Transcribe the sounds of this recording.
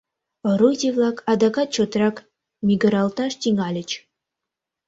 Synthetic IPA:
ə̆ɾut̪ʲevlˠɑkɑd̪ɑkɑt̪̚t͡ɕot̪ɾɑk | mʲiɡə̆ɾɑlˠt̪ɑʃt̪ʲiŋɑlʲət͡ɕ

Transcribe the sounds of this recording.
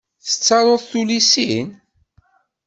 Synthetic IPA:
θə̥t͡sːɑɾˤoðˤθulisin

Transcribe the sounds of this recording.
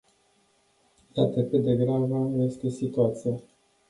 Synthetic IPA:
d̪at̪əkɨd̪e̞ɡɾavəje̞st̪e̞sit̪uat̪sija

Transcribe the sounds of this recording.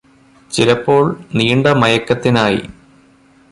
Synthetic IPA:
t͡ɕilɐpːo̞ːɭniːɳɖɐmɐjɐkːɐt̪ːinaːjḭ

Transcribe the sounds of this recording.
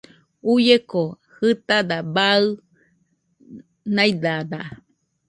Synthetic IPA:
ujeko | hɨt̪ad̪abaɨ | najd̪ad̪aʔ

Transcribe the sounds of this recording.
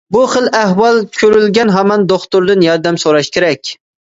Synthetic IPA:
buχəlˠæhwɑlˠt͡ʃʰykʰʲʃøɾylɡʲɛnɦɑmɑnd̪oχt̪ʊɾd̪ɨnjɑɾd̪ɛmsoɾɑʃkʲʰeɾɛkʲ

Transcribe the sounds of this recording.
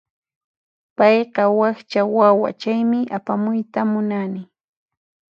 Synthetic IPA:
pɑjɢɑwɑkt͡ʃawawa̰t͡ʃajmɪʔapamʊjt̪amʊnanɪ

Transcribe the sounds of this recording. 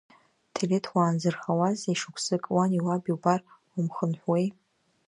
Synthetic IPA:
tʰeletʰwaːnd͡zɨrχawazejʂukʷʰsɨkʼwaniwabiwbar | umχənħʷwej

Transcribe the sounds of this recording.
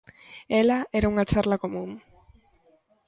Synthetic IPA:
ɛlaɛɾauŋat͡ʃaɾlakomũŋ

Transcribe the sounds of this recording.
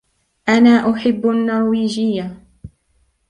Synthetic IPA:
ʔanaːʔʊħɪbːʔnːɑɾˤwiːd͡ʒɪjːa

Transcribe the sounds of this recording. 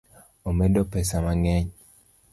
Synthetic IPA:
omedɔpɛsamaŋɛɲ

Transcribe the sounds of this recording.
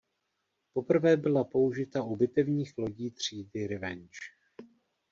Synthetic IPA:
po̞pr̩vɛːbɪlapo̞uʒɪt̪aʔubɪt̪ɛvɲiːxlo̞ɟiːt̪r̝̥iːdɪɾɪvɛ̰nt͡ʃ

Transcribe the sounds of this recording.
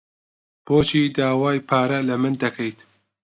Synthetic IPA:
b̥oːt͡ʃʰiːd̪aːwaːjpʰaːɾɐlɐmɨnd̪ɐkʰɐjt̪

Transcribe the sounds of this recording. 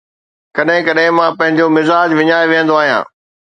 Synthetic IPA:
kɐɗɦɪ̃kɐɗɦɪ̃mãːpɐ̃ɦɪ̃ɲd͡ʑomɪzaːd͡ʑʋɪɲaːjʋijə̃nd̪oaːɦijã̰ː

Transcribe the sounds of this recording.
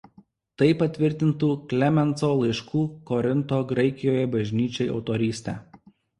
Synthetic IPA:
t̪ɐɪpɐt̪ʲʋʲɪɾʲt̪ʲɪnt̪uːklʲɛmʲɛnˑt̪soːlˠɐɪʃkuːkɔɾʲɪnt̪oːɡɾɐɪkʲɪjoːjɛbɐʒʲnʲiːt͡ʃʲɛɪɒ̰ʊt̪ɔɾʲiːsʲt̪ʲæː

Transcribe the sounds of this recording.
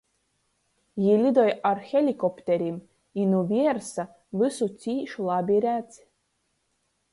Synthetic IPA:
jilʲid̪ojarxʲelʲikopt̪eɾʲim | inuvʲiersa | vɨsut͡sʲiːʃlˠɑbʲiɾʲæt͡sʲ

